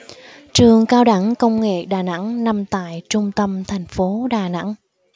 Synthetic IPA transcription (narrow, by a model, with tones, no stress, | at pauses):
t͡ɕɨ˨˩əŋkaː˧wɗa˧˥ŋkə˧wŋ͡mŋḛ˧˨ɗaː˨˩na̰˧˥ŋna˧mt̪a̰ː˧˨jt͡ɕʊ˧ŋ͡mt̪ə˧mt̪ʰa˨˩jŋ̟fo˨˦ɗaː˨˩na̰˧˥ŋ